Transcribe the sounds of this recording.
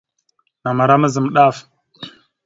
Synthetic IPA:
na˨ma˨ɾa˦mə˦zə˨m˨ɗa˦˨f

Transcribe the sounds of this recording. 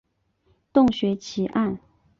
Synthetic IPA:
t̪ʊ˥˩ŋɕɥɛ˧˥t͡ɕʰi˧˥ʔa˥˩n

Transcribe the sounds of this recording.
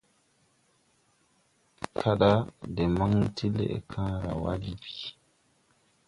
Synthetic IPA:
kʰa˦ɗa˦dɛ˨ma˦ŋtʰi˦lḛ˨ɛ̰˨kʰãː˦ɾa̰˨wa̰˦d͡ʒibi̥˨

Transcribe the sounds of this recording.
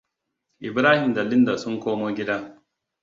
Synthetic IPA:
ʔɪ˨bɾaː˦hɪ˨mda˨lɪ˦nda˨sʊ˦ŋkʷoː˦moː˦ɡʲɪ˦daː˦

